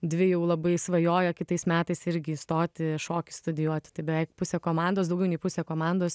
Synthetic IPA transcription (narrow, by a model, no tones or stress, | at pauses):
d̪ʲʋʲɪjɛʊlˠɐbɐɪsʋɐjoːjɛkʲɪt̪ɐɪsmʲæːt̪ɐɪsɪɾʲɡʲɪist̪oːt̪ʲɪʃoːkʲɪst̪ʊd̪ʲɪjuɔt̪ʲɪ̥t̪ɐɪbʲɛʋʲɛɪkpʊsʲeːkoːmɑnd̪oːsd̪ɐʊɡʲɛʊnʲɛɪpʊsʲeːkoːmɑnd̪oːs